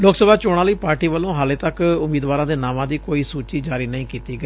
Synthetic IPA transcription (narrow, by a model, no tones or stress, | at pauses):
loːksəbʱaːt͡ʃoːɽ̃ãːləiːpaːɾʈiːʋəlːõːɦaːleːt̪əkʊmiːd̪ʋaːɾãːd̪eːnaːmãːd̪iːkoːiːsuːt͡ʃiːd͡ʒaːɾiːnəĩːkiːt̪iːɡəeiː